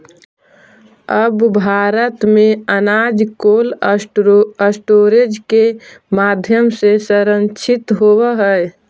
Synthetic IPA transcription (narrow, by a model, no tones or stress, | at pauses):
əbbʱaːɾət̪mẽənaːd͡ʒkoːl | əsʈoːɾed͡ʒke | maːd̪ʱjəmsesəɾə̃nt͡ʃʰɪt̪ɦowəɦɛ